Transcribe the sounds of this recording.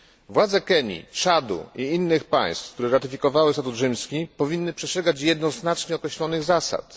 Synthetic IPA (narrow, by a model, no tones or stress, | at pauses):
vwad̪zɛkɛɲḭtt͡ʂad̪ṵiinːɘxpa̰j̃st̪kt̪uɾɛɾat̪ɘfʲikɔvawɘst̪at̪uzʐɘmskʲipɔvʲinːɘpʂɛsʂɛɡat͡ɕjɛd̪nɔznat͡ʂɲɛɔkɾɛɕlɔnɘɣzasa̰t̪